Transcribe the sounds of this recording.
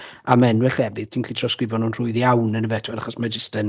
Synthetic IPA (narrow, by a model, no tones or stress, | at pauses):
amɛnwɛɬɛvɨð̥tʰiːnɬiːtʰrɔskrɪvɔnuːnr̥ʊɨðjawnənəvɛtʰwɛɾaχɔsmad͡ʒɪstən